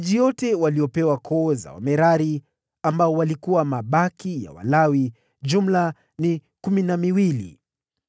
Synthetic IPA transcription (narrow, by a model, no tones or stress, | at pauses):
ʄijɔtɛwaliɔpɛwakʰɔːza̰wa̰mɛɾaɾi | ambaɔwalikuwamaɓakija̰wa̰lawi | d͡ʒum̩la | nikuminamiwilḭ